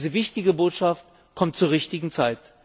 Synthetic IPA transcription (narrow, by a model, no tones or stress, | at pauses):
zəvɪçtɪɡəboːtʃaft̚ | kʰɔmt̚t͡suːɐʁɪçtɪɡŋ̩t͡saɪt